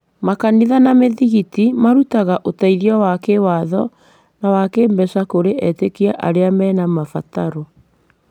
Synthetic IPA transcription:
makaniðanameðiɣitimaɾutaɣaʔotaiðiɔwakewaðɔ | nawakembɛsakoɾeʔɛtekiaʔa̰ɾeamɛnamafataɾo

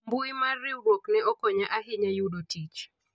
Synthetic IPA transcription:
mbʊimariuɡoknɛɔkoɲaʔaɦɪɲajuɗotit͡ʃ

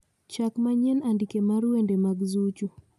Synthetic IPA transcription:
t͡ʃakmaɲɛnandikemaɾwendemaɡzut͡ʃu

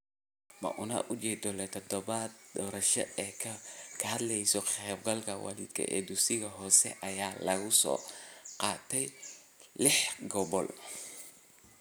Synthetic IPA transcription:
mɐ̰ʔʊnɐ̰ʔʊt͡ʃɛːd̪ɔlɛt̪ʰɔd̪ɔβad̪d̪ɔːɾɐʃɔ̰ɛːkʰɐkʰɐhɐd̪lɛjsɔχɛb̚ɡɐlkʰɐwɑ̰lɪd̪kʰɐ̰ʔɛ̰ːd̪ʊsɪɣɐɦɔːsɛ̰ʔɐjaːlɐɣʊsɔ̰ːqɑːt̪ʰɛj | lɪħɡɔβɔl

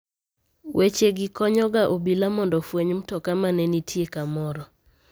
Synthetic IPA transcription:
wʔet͡ʃeɡɪkɔɲɔɡaʔobilamɔndɔfweɲmtɔkamanɛnitʰjekamɔɾɔ

